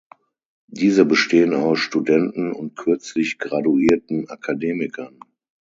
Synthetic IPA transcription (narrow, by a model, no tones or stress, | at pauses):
d̥iːzəbəʃteːənaʊsʃtudɛntn̩ʊnt̚kʰʏɐt͡slɪçɡ̥ʁaduiːɐtn̩ʔakʰadeːmɪkʰɐn